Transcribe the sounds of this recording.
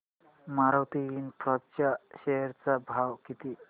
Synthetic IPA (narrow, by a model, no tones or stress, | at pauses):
maɾawt̪iinpɾɔt͡ʃaʃeɾt͡sabʱawkit̪i